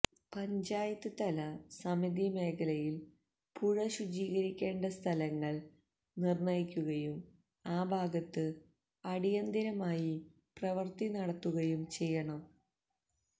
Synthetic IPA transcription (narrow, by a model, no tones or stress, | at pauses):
pɐɲd͡ʑaːjɐt̪ːɨt̪ɐlɐsɐmid̪ime̞ːkʰɐlɐjil | puɻɐɕud͡ʑiːɣɐɾikʲːe̞ːɳɖɐst̪ʰɐlɐŋːɐɭ | nirnɐjikʲːuɣɐjum | aːbʱaːɡɐt̪ːɨ | ɐɽijɐnd̪iɾɐmaːji | prɐʋɐrt̪inɐɽɐt̪ːuɣɐjumt͡ɕe̞jːɐɳɐm